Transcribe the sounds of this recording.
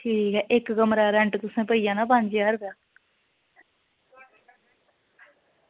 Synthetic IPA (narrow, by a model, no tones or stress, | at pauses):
ʈʰiːkɦɛːʔɪkɡəmɾaːɾɛ̃ɳʈt̪ʊsẽːpəijãːnãːpə̃ɲd͡ʒjaːəɾbjaː